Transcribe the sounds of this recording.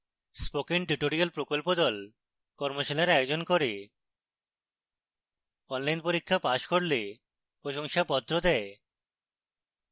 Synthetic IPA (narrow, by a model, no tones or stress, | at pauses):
spokinʈiʈoɾialpɾokolpod̪ɔl | kɔɾmoʃalaɾajod͡ʑonkoɾe | ɔnlajnpoɾikʰːapaʃkoɾle | pɾoʃoŋʃapɔd̪ːɾod̪ɛe